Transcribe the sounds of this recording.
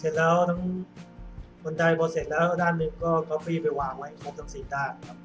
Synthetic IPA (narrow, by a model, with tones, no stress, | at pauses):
se˨˩t̪̚lɛː˦˥wt̪ʰa˦˥ŋ | ko˧nda˧jbɔː˧se˨˩t̪̚lɛː˦˥wdaː˥˩nːɯ˧ŋkɔː˥˩kɔː˥˩piː˧˥˩pa˧jwaː˨˩ŋwa˦˥jkʰaː˧˥˩sa˨˧˩siː˩˦daː˥˩jkʰa˦˥p̚